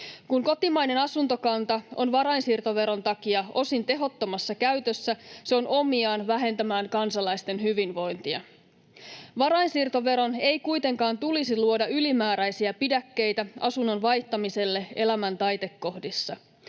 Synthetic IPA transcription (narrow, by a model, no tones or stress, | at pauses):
kuŋko̞t̪imɑjne̞nɑsunt̪okɑnt̪ɑo̞̰nʋɑɾɑinsiːrt̪o̞ʋe̞ɾo̞nt̪ɑkiɑo̞sint̪e̞ɦo̞t̪ːo̞mɑsːɑkæɥt̪øsːæseo̞no̞miɑːnʋæɦe̞nt̪æmæːŋkɑnsɑlɑjst̪e̞nhyʋinʋo̞jnt̪iɑ̰ | ʋɑɾɑinsiːrt̪o̞ʋe̞ɾo̞ne̞jkujt̪e̞ŋkɑːnt̪ulisiluo̞dɑylimæːɾæjsiæpidækːe̞jt̪æɑsunːo̞nʋɑjht̪ɑmise̞lːe̞e̞læmænt̪ɑjt̪e̞kːo̞hdisːɑ